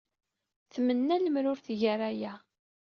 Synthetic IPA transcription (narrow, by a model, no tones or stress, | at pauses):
θmənːæləmɾʊɾθʝəɾæjæ